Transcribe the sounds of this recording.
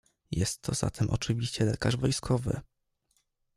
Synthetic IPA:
jɛst̪ʰːɔz̥a̰t̪ʰɛmʔɔt͡ʂɘvʲiɕt͡ɕɛlɛkaʐvɔjskʰɔvɘ̰

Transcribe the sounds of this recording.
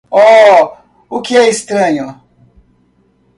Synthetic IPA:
ɔ | ukiɛist̪ɾɐɲo

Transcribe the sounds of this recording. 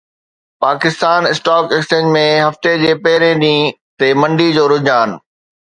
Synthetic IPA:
paːkɪst̪aːnɪsʈaːkekst͡ɕẽːd͡ʑmẽɦɐft̪ed͡ʑeːpɐɦɪɾẽɗĩː | t̪emɐ̃ɳɖid͡ʑoːɾʊd͡ʑaːnɪ̆

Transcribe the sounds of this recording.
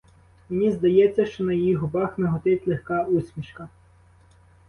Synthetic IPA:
menʲizd̪ɐjɛt͡sʲːɐʃt͡ʃɔnɐjijiɦɔbɑxmeɦɔt̪ɪtʲlˠexkɑusʲmʲiʃkɐ

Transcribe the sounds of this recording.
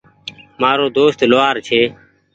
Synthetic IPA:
maːɾoːd̪oːst̪loːaːɾt͡ʃʰeː

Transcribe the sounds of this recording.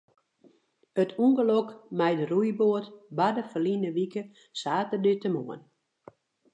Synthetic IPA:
ətʰuŋɡəlokmɛjdərujboətbadəfəlinəʋikə | saːtərdytəmoən

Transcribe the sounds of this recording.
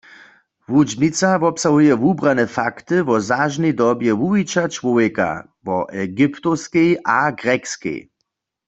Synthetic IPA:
vud͡ʒnit͡savɔpsaɦujɛvubʁanɛfakt̪ɨvɔzaʒnɛjd̪ɔbjɛvuit͡ʃat͡ʃʋɔvɛka̰ | vɔ̰ʔɛɡipt̪oskɛjʔaɡʁɛkskɛ̰j

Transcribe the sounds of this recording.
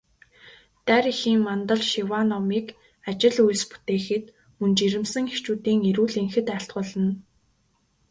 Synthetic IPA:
t̪æɾixiːŋmant̪ə̆ɮʃiwanɔmiːk | at͡ɕɪ̆ɮujɮ̆spu̥t̪eːxɘ̆t̪ | mɵnt͡ɕiɾɘ̆msɘ̆ŋext͡ɕuːt̪iːŋeɾuːɮeŋxɘ̆t̪æɬt̪̚ɢʊːɮə̆n

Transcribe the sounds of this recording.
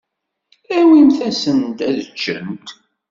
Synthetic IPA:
æwinθæsənt̪æðət͡ʃːə̰nt̪

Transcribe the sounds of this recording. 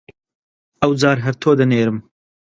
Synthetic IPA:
ɐwd͡zɑːɾɦɐɾt̪ʰoːd̪ɐneːɾɨm

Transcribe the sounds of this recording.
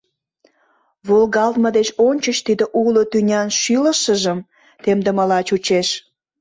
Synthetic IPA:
βolɣɑlt̪məd̪et͡ɕonʲt͡ɕət͡ɕt̪id̪əʔulot̪ynʲɑnʃyləʃəʒəm | t̪emd̪əmɑlɑt͡ɕut͡ɕeʃ

